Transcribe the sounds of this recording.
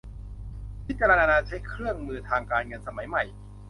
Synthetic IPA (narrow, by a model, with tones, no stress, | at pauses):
pʰi˦˥t̪̚t͡ɕa˧ɾa˧naː˧naː˧t͡ɕʰa˦˥jkʰɾɯ˥˩əŋmɯː˧t̪ʰaː˧ŋkaː˧nŋɤ˧nsa˧ma˩˦jma˨˩j